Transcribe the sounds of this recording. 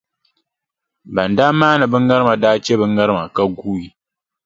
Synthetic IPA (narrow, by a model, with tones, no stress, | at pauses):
ba˨nda˦maː˦nɨ˨bɨ˦ŋːa˦ɾɨ˦ma˨daː˦t͡ʃɛ˦bɨ˦ŋːa˦ɾɨ˦ma˨ka˦ɡuː˦ji˨